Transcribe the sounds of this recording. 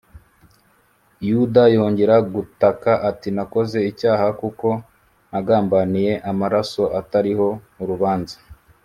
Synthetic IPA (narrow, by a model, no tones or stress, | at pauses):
judajo̞ːɲɟe̞ɾaɡutakaʔatinako̞ze̞icaːhakuko̞ | naɡaːmbanije̞ʔamaɾaso̞ʔataɾiho̞ | uɾuβaːnza